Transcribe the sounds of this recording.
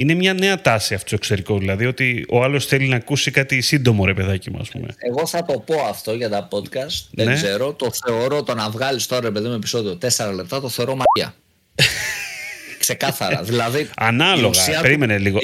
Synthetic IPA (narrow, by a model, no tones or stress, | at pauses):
ine̞mɲɐne̞ɐt̪ɐsiɐft̪o̥toekseɾiko̞ðilɐðio̞t̪io̞ɐlo̞sθe̞linɐːkusikɐt̪isind̪o̞mo̞ɾe̞pe̞ðɐcimṵɐ̰spṵme̞̰eɣo̞θɐt̪o̞po̞ɐft̪o̞ʝɐt̪ɐpo̞t̪kɐst̪neneɡze̞ɾo̞t̪o̞θe̞o̞ɾo̞t̪onɐvɣɐlist̪o̞ɾɐɾep̬e̞ðimume̞pi̥so̞ðio̞t̪e̞seɾɐle̞p̚t̪ɐt̪o̞θe̞oɾo̞mɐɐ̰ | kse̞kɐθɐɾɐ̰ðilɐðiɐnɐloɣsɐpeɾime̞neliɣo